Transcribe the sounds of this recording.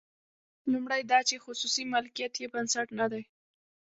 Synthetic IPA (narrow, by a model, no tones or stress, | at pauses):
lumɽajd̪ɑt͡ʃexʊsusimalkijat̪jebansaʈnad̪aj